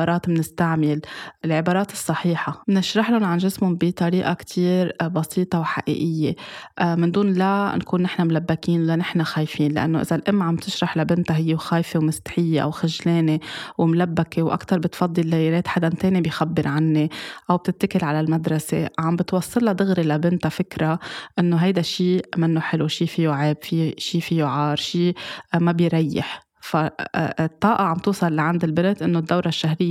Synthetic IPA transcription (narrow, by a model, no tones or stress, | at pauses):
ɑːɾˤɑːt̪mnɪst̪aʕmɪlʔɪlʕɪbɑːɾˤɑːt̪ɨ̥sˤːɑħiːħamnɪʃɾɑħlʊnʕanʒɪsmʊbit̪ˤɑɾiːʔakt̪ʰiːɾbɑsiːt̪ˤɑwħa̰ʔḭːʔɪjːeʔmɪnd̪uːnlankuːnːɪħnamlabːakiːnlanɪħnaxaːjfiːnlɪʔa̰nːoʔɪ̰zalʔɪmːʕambt̪ɪʃɾˤɑħlabɪnt̪aɦɪjːewxaːjfewmɪst̪ħɪjːeʔa̰wxɪʒleːnewmlabːakewʔa̰kt̪ɑɾˤbɪt̪fɑd̪ˤːɨlːaːjɪɾeːt̪ħad̪ant̪eːnibɪjxabːɪɾʕanːeʔawb̚t̪ɪt̪ːakɪlʕalalmad̪ɾˤɑseʕambɪt̪wɑsˤːɨlːɑd̪ˤɨɣɾilabɪnt̪afɪkɾaʔɪnːoɦajd̪aʃiːmɪnːoħɪluʃiːfijʊʕeːbfiʃiːfijʊʕɑːɾˤʃiːmabɪjɾɑjːɪ̰ħ | fat̪ˤːɑːʔɑʕambt̪uːsˤɑlːaʕand̪ɪlbɪnt̪ʔɪnːod̪ːawɾˤaʃːaɦɾɪjː